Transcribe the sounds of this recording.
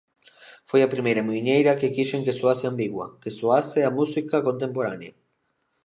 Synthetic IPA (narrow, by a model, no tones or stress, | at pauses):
fojapɾimejɾamuɲejɾakekiʃeŋkesuaseambiɣwa̰kesuaseamusikakont̪e̞mpoɾanja